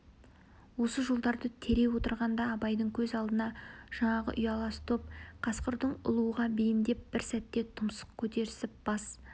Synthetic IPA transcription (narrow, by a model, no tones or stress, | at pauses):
wo̞səʒolˠd̪ɑɾd̪ət̪ʰe̞ɾe̞wo̞t̪əɾʁɑnd̪ɑːbɑjd̪əɴkʲʰɵzɑlˠd̪ənɑʒ̥ɑɴɑʁə̰ʔʏjɑlˠɑst̪ʰop̚qʰɑsqəɾd̪əɴʊ̰lˠuəʁɑbejɪnd̪e̞p̚bɪɾsæt̪ːe̞t̪ʰʊmsə̥qkʲʰɵt̪e̞ɾɪsɪp̚b̥ɑs